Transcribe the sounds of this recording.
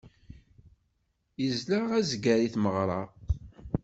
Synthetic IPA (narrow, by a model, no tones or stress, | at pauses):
jəzləʁæzɡæɾiθməʁɾˤɑʁ